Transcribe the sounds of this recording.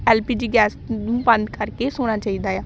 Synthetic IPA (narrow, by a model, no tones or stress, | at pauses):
ɛːlpiːd͡ʒiːɡɛːsnũːbə̃nd̪kəɾkeːsoːɽ̃aːt͡ʃaːiːd̪aːɛː